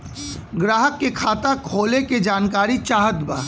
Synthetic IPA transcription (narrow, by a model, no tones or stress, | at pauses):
ɡɾaːɦəkːekʰaːt̪akʰoːleked͡ʒaːnkaːɾit͡ʃaːɦət̪baː